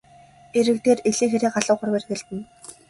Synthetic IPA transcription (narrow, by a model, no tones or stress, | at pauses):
eɾɘ̆kt̪eːreɮiːŋxeɾʲiːqɢaɮə̆qʊrweːrxeɮt̪ɘ̆n